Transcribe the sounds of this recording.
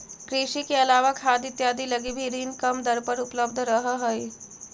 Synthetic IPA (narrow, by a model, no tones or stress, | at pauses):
kɾiʃikeɐlaːʋakʰaːd̪ɪt̪jaːd̪ʱiləɡibʱiɾiːnkəmd̪əɾpəɾupləb̚d̪ʱɾəɦəɦəj